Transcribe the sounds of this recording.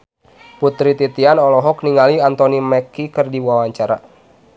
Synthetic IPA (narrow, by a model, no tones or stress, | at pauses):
put̪ɾit̪it̪ianɔlɔɦɔk̚niŋaliant̪ɔnimɛkikərdiwawaɲt͡ʃaɾa̰